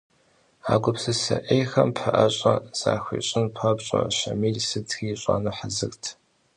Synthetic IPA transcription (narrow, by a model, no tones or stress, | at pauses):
aːɡʷʊpsɨsɐʔejxɐmpʰħɐʔɐɕʼɐz̥aːxʷiːɕʼɪnpʰɐpɕʼɐ̰ɕɐmiːlsɨtʰxiːɕʼaːnuħazɨxtʰ